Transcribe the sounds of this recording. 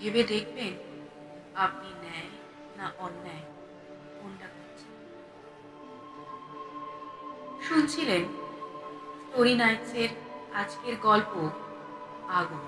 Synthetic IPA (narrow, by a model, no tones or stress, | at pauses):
ɦebed̪ekʰben | ap̚ninɛj | naʔɔnːae | koɳɖakoɾt͡ɕʰe̥n | ʃunt͡ɕʰilen | sʈoɾinajseɾad͡ʑkeɾɡɔlpo | aɡun